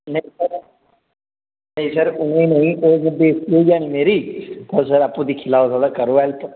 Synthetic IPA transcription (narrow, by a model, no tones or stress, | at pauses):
nəĩsəɾ | nəĩsəɾʊnẽːnəĩːʔoːɡbeːsied͡ʒaːnimeːɾiːp̪əɾsəɾapːũːd̪iːkʰɪlaːozaːd̪aːkəɾoːɛlt̪o